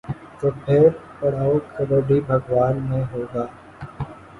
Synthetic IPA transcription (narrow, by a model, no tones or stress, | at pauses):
t̪oːpʰeːɾpəɽ̤aːoːkʰəɾoːɖʱiːbʱəɡʋaːnmẽːɦoːɡaː